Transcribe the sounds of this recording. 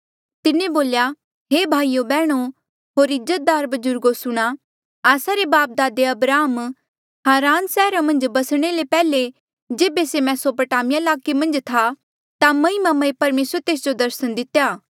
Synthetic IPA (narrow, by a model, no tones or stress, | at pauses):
t̪ɪnẽboːlja | ɦeːbʱaːijobɛːɽ̃o | ɦoːɾɪzət̪̚d̪aːɾbɐd͡ʒʊɾɡosʊɽ̃a | aːsaɾebaːp̚d̪aːd̪eɐbɾaːm | ɦaːɾaːnsɛːɾamɐ̃nd͡ʒbɐsɽ̃elepɛːle | d͡ʒeːbesemɛ̃soːpəʈaːmɪjaɪlaːkemɐ̃nd͡ʒt̪ʰa | t̪amɐ̃imamɐepɐɾmeːsɾət̪eːs̬d͡ʒod̪ɐɾsəñd̪ɪt̪jaː